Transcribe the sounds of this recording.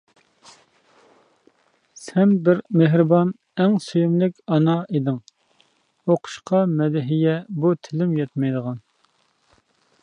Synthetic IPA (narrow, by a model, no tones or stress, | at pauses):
sɛnbɪɾmeɦɾɨbɑn | ɛŋsyjumlɪkʲɑnɑed̪ɪŋ | oqʰʊ̥ʃqʰɑmɛd̪ɪɦijɛbut̪ʰɪlɪmjɛt̪mɛjd̪əʁɑn